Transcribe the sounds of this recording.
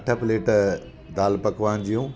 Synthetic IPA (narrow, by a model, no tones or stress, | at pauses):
ʈʰɐpleːʈ | d̪aːlpɐkʰʋaːnd͡ʑijũː